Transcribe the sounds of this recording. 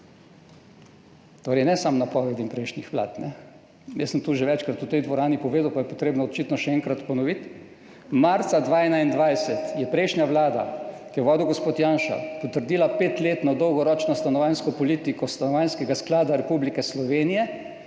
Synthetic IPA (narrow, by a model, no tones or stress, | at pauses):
t̪oːɾɛɪnɛsamnapɔʋɛd̪impɾɛjʃnixʋla̰ːt̪nɛ | jɛsəmt̪uʒɛʋɛt͡ʃkɾat̪ut̪ɛjd̪ʋɔɾaːnipɔʋeːd̪awpajɛpɔt̪ɾeːbnɔɔt͡ʃit̪nɔʃɛɛŋkɾat̪pɔnɔʋit̪ | maɾt̪sad̪ʋaːɛnaind̪ʋajsɛt̪jɛpɾɛjʃnjaʋlaːd̪a̰kijɛʋɔːd̪iwɡospoːt̪jaːnʃa̰pɔt̪əɾd̪iːlapeːt̪leːt̪nɔd̪ɔwɡɔɾɔːt͡ʃnɔst̪anɔʋajnskɔpɔlit̪ikɔst̪anɔʋajnskɛɡasklaːd̪aɾɛpublikɛslɔʋeːnijɛ